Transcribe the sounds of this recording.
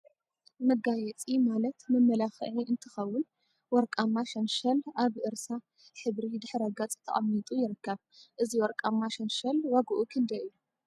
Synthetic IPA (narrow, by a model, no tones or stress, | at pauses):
mɐɡajɛt͡sʼimalɐt̪mɐmːɐlaxʕiɨnt̪ʰɨxɐwːʊn | wɔɾkʼamːaʃɐnʃɐlaβʔɨɾsa | ħɨβɾid̪ɨħɾɐɡɐt͡sʼt̪ʰɐ̰ʔʼɐmːit̪ʼujɪɾɨkːɐβ | ʔɨziwɔɾkʼamːaʃɐnʃɐlwaɡɐʔukʰɨnd̪ɐjɨju